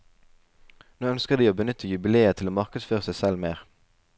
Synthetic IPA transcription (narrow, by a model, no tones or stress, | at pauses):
noːœnskəʁd̪iːoːbənʏt̪ʰəjʉbɪleːət̪ʰɪloːmɑʁkəd̪sføːʁəsæɪsɛlmeːʁ